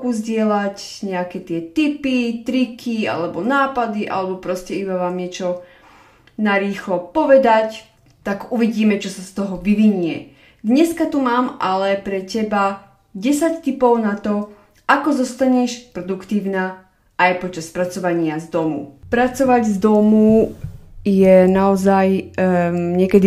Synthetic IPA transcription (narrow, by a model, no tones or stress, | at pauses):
kuzɟɪɛlacɲɛakɛt̪ɪɛt̪ipit̪ɾikʰia̰lɛbɔnaːpad̪iʔa̰lɛbɔpɾɔscɛibaʋaːmɲɛt͡ʃɔ | naɾiːxlɔpɔʋɛd̪ac | t̪aɡuʋiɟiːmɛt͡ʃɔsast̪ɔɦɔʋiʋiɲʊɛ̰ | d̪ɲɛskat̪umaːmʔalɛpɾɛcɛba | ɟɛsact̪ipɔʊnat̪ɔ | ʔakɔzɔst̪aɲɛʃpɾɔd̪ukt̪iːʊnaː | ajpɔt͡ʃaspɾat͡sɔʋaɲɪazd̪ɔmṵpɾat͡sɔʋaɟzd̪ɔmu | jɛnaɔzaj | ɲɪɛkɛd̪i